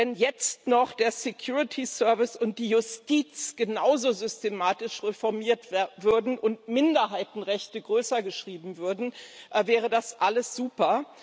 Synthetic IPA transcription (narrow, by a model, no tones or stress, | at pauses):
vɛnjɛt͡stnɔχd̥eːɐsekʰjuːʁɪtʰisœɐvɪsʊnt̚d̥iːjʊstiːt͡sɡ̥ənaʊzoːzʏstemaːtɪʃʁefɔɐmiːɐtvvʏɐdn̩ʔʊntmɪndɐɦaɪtn̩ʁɛçtəɡʁøːsɐɡəʃʁ̥iːbm̩vʏɐdn̩vɛːʁ̞ədasʔaləsz̥uːpɐ